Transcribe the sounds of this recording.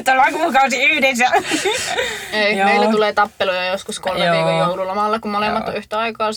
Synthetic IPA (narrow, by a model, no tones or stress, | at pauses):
t̪ːolɑkukɑusiyhdesæ | emeˑilːæt̪uleːt̪ɑpːelojɑjoskuskolmmeʋiːkojoululːɑmɑlːɑkummoleˑmːɑt̪oyht̪æɑikɑːs